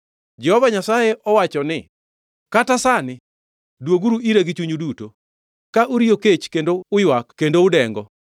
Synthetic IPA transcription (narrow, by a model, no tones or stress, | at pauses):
d͡ʒɛhɔvaɲasajeʔɔwat͡ʃɔnɪ | katasanɪ | dwoɡuɾuiɾeɡɪt͡ʃuɲuduto | kaʔuɾijoket͡ʃkendoʊjwakːendoʊdɛŋɡɔ